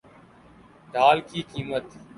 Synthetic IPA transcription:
ɖʱaːlkiːkiːmət̪

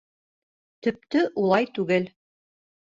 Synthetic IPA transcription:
t̪ɵ̆p̚t̪ɵʔulˠɑjt̪ʉɡɘl

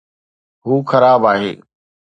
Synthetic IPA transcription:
ɦuːxɐɾaːbaːɦḛː

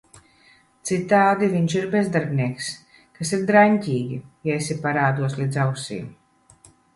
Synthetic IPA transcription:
t̪sit̪aːd̪iviɲt͡ʃiɾbezd̪aɾbniɛks | kasiɾd̪ɾaɲʲcʲiːɡʲijaesʲipaɾaːd̪uɔslʲid̪zawsḭːm

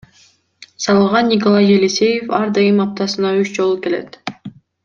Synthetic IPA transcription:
sɑlˠɯʁɑnːʲɪk̬olˠɑjːelʲisʲe̞jefɑɾd̪ɑjɯmɑp̚t̪ɑsɯnɑyt͡ʃd͡ʒo̞lˠuke̞le̞̰t̪

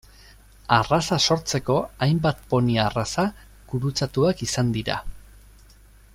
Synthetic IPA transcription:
arasaso̞ɾt͡se̞ko̞ajmbat̪̚po̞niaːrasa | ɡ̥uɾut͡sat̪uakisand̪iɾa̰

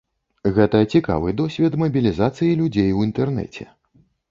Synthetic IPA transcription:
ɣɛt̪ɐt͡sʲika̰vɨd̪ɔsʲvʲɛt̪mɐbʲilʲizat̪sɨjilʲud͡zʲejwint̪ɛrnɛ̰t͡sʲɛ̰

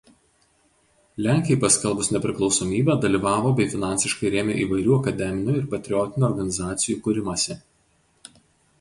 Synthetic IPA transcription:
lʲæˑŋʲkʲɪjɛɪpɐsʲkʲɛlˠbʊsnʲɛpʲɾʲɪklˠɒʊsomʲiːbʲɛːd̪ɐlʲiːʋɑːʋoːbʲɛɪfʲɪnɑˑnʲsʲɪʃkɐɪɾʲeːmʲeːʔiːʋɐɪɾʲuːɐkɐd̪ʲɛmʲɪnʲuːˑɪɾpɐt̪ʲɾʲɪjɔt̪ʲɪnʲuɔɾɡɐnʲɪzɑːt̪sʲɪjuːkʊɾʲɪmɐsʲɛ

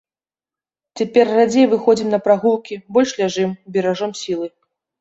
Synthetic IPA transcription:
t͡sʲapʲɛrːad͡zʲejvɨxɔd͡zʲimnɐpɾaɣulˠkʲibɔlʲʂlʲaʐɨmbʲɛɾaʐɔmsʲilˠɨ

